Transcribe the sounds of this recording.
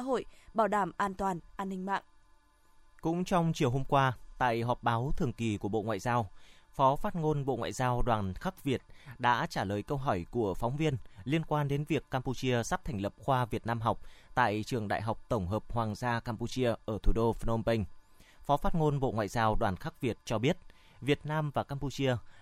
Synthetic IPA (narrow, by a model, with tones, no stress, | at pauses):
ɦo̰˧˨jɓaː˧˩wɗaː˧˩mʔaː˧nt̪waː˨˩nʔaː˧nːï˧ŋ̟ma̰ː˧˨ŋ | kʊ̰˧˥ŋ͡mt͡ɕɔ˧wŋ͡mt͡ɕi˨˩əwɦho˧mkwaː˧t̪a̰ː˧˨jɦɔ˨˩p̚ɓaː˨˦wt̪ʰɨ˨˩əŋki˨˩ku˧˩əɓo̰˧˨ŋwa̰ː˧˨zaː˧wfɔ˨˦faː˦˥t̚ŋo˧nɓo̰˧˨ŋwa̰ː˧˨jzaː˧wɗwaː˨˩nxa˦˥k̚vi˨˩ət̚ɗa̰ː˧˥t͡ɕaː˧˩ləː˨˩jkə˧wɦɔ˧˩jku˧˩əfɔ˨˦wŋ͡mvi˧ənli˧ənkwaː˧nɗe˨˦nvi˨˩əkːaː˧mpu˧t͡ɕi˧əsa˦˥p̚t̪ʰɛ˨˩jŋ̟lə˨˩p̚xwaː˧vi˨˩ət̚naː˧mɦa˨˩wk͡p̚t̪a̰ː˧˨jt͡ɕɨ˨˩əŋɗa̰ː˧˨jɦa˨˩wk͡p̚t̪ə˧˩wŋ͡mɦəː˨˩p̚hwaː˨˩ŋzaː˧kaː˧mpu˧t͡ɕi˧əʔəː˧˩t̪ʰu˧˩ɗo˧fə˧no˧mpə˧ŋ̟ | fɔ˨˦faː˦˥t̚ŋo˧nɓo̰˧˨ŋwa̰ː˧˨jzaː˧wɗwaː˨˩nxa˦˥k̚vi˨˩ət̚t͡ɕɔ˧ɓi˦˥ət̚ | vi˨˩ət̚naː˧mvaː˨˩kaː˧mpu˧t͡ɕi˧ə